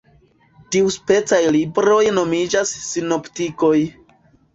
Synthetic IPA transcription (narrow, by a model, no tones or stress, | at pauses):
tiuspe̞t͡sajlibɾo̞jno̞mid͡ʒasːino̞ptiko̞j